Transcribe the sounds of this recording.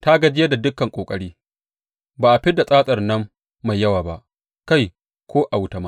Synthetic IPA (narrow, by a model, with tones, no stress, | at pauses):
ta˦ɡɐ˦d͡ʒɪ˦jɐ˦da˨dʊ˦kːɐ˨ŋkʷʼoː˨kʼɐ˦ɽiː˦ | baː˨ʔa˨ɸɪ˦da˨sʼaː˦sʼɐ˨rnɐ˦mː | a˨jːɐ˦waː˨ba˦ʔ | ka˦˨j | kʷoː˦ʔa˨wʊ˦tɐ˨ma˦